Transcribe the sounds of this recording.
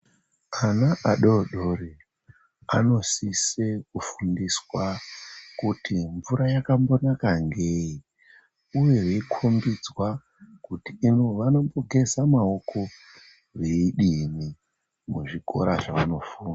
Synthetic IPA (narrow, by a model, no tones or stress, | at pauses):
anaʔaɗoɗori | ano̞sisekufundiswakutʰiɱvuɾajakambo̞nakaŋɡeji | uje̞ɦeikʰombid͡zwa | kutiːnoʋano̞mboke̞zamaokʰo̞ | ʋeiɗimi | muʐiɡʱo̞̰ɾaʐaʋano̞fuːna